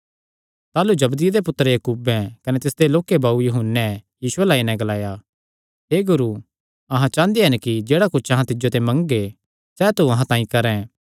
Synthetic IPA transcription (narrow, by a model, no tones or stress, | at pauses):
t̪aːlud͡ʒɐbd̪ɪjad̪epʊt̪ːəɾɛjɐkuːbɛ̃kɐnet̪ɪsd̪eloːkːebaːujʊɦʊnːɛjiːsʊelaːinɛ̃ɡɐlaːja | ɦeːɡʊɾu | ɐɦãt͡ʃãːnd̪eɦɛnkid͡ʒeːɽakʊt͡ʃːt͡ʃʰɐɦãt̪ɪd͡ʒot̪ɛ̃mɐ̃ŋɡɡe | sɛːt̪uɐɦãt̪ãːĩkɐɾɛ̃